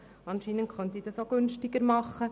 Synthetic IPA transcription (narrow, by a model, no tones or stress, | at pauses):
ɑnʃinənχœnt̪iːd̥ɑsoɡ̥ʉnʃtɪɡəɾmɑχːə